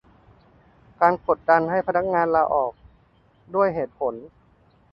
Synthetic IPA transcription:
kaː˧nko˨˩t̪̚da˧nɦa˥˩jpʰa˧na˦˥k̚ŋaː˧nlaː˧ʔɔː˨˩k̚ | du˥˩əjɦeː˨˩t̪̚pʰo˩˦n

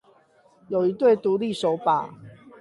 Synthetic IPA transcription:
jo˨˩ʊi˧˦t̪we˥˨ɪt̪u˨˦li˥˨ʂo˨˦ʊpa̰˨˩˦

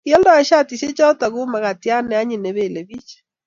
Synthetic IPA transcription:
i˦ɔ˦ndɔ˦ɛ˨ʃa˦ti˨se˦t͡ʃa˦ta˨ɣu˦ma˨ɣa˨ti˨˦a˦nɛ˨a˦ɲi˨ne˨βe˨le˨βi˦t͡ʃe̥˨

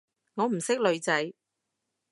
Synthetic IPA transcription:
ŋɔː˨˧m̩˨˩sɪ˥k̚lɵ˨˧ɥt͡sɐ˨˥j

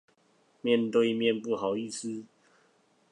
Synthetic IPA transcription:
mjɛ˥˨nt̪we˥˧ɪmjɛ˥˨npu˥˩xɑ˨˩ʊi˥˨sɹ̩˥˦

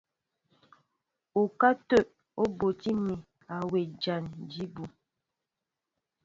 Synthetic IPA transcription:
o˨ka˦tə˦˨ʔ | o˦bo˨ti˦mi˨ | a˨we˨d͡ʒa˨nd͡ʒi˦bu˨

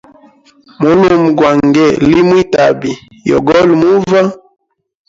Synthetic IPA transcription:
mo˦lu˦m˨ɡwa˨ŋɡɛ˦˨li˦mwi˦ta˨bi˨ | jɔ̰˨ɡɔ˦lmu˦va˦

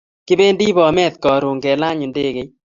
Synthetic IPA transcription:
kɪ˦be˦ndi˦bɔ˨mɛ˦t̪kɔ˨ɾu˨ŋɡɛ˨la˦ɲʊ˨nde˦ɣe˨

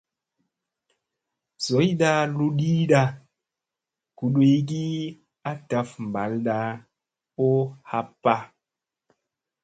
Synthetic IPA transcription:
z̥o˨˦jɗa˧lu˦ɗi˦ɗa˧ | ku˨ɗwe˨˧jɡ̬i˦ | a˦ta˨fm˨ba̰˨˦lɗa˧ | o˦ha˨pːa˦

